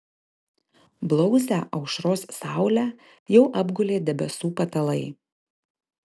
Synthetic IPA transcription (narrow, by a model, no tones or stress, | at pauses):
blˠɔʊzʲæːʔɐʊʃɾoːssɑˑʊlʲæː | jɛʊʔɐbɡʊlʲeːd̪ʲɛbʲɛsuːpɐt̪ɐlˠɐɪ